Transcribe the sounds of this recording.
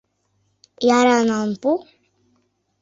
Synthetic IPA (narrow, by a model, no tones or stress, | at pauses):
jaɾanampu